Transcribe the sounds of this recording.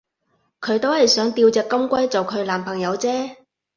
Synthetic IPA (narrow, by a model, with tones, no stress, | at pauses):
kʰɵ˨˧ɥt̪o˥whɐ˨jsœː˨˥ŋt̪iː˧wt͡sɛː˨kːɐ˥mkʷɐ˥jt͡so˨wkʰɵ˨˧ɥlaː˨˩mpʰɐ˨˩ŋjɐ˨˧wt͡sɛː˥